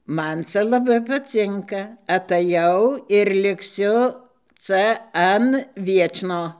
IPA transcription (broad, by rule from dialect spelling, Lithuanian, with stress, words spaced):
ˈmɐn ˈt͡sɐ lˠɐˈbɐɪ pɐˈt͡sʲɪŋkɐ ɐtɐˈjɛʊ ɪr lʲɪkˈsʲʊ ˈt͡sɐ ˈɐn ˈʋʲiɛt͡ʃnoː